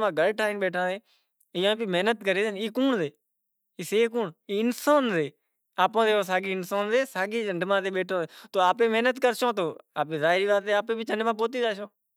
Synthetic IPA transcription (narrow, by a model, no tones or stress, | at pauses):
mãːɡəlʈʰaːiːnɓeːʈʰãːd̪eː | ɪjõːbiːmeːnət̪kəɾeːd̪niːkuːɳzeː | iːseːkuːɳiːɪnsaːnzeː | aːpõːd̪eːõːs̬aːɡiːɪnsaːnzeːsaːɡiːd͡ʒəɳɖmãːt̪eːɓeːʈʰõːet̪oːaːpẽːmeːnət̪kəɾʃõːt̪̬oːa̰ːp̬ẽːzaːɦɾiːʋaːt̪ːeːaːpeːbiːt͡ʃəɳɖmãːp̬oːt̪̬iːd͡ʒaːʃõː